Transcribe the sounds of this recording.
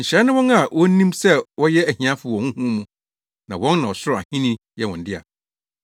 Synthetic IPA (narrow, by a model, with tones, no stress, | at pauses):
ɲ̩˨ɕɾɛ˨˦nɪ̃˦wɔ̃˦na˨wɔ˦nĩ˦msɛ˦wɔ˦jɛ˦æ˨hĩ˨ã˦fʊ˨wɔ̃˨ŋũ˦hũ˦mũ˨ | nã˨wɔ̃˦nnã˨wɔ˨sʊ˦ɾɔ˨a̰˨hĩ˦nĩ˦ | jɛ˦˨wɔ̃˨n̩˦dɪ˦a̰˨